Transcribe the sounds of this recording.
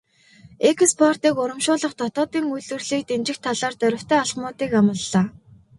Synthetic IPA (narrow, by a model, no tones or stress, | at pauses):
ekʰspʰɔr̥t̪iːkʊɾə̆mʃʊːɮə̆χt̪ʰɔt̪ɔːt̪iːŋujɮɘ̆rɮiːk̚t̪emt͡ɕɪ̆xt̪ʰːaɮaːrt̪œɾʲɪ̆w̥t̪ʰœːaɮχmʊːt̪iːkamə̆ɮːaː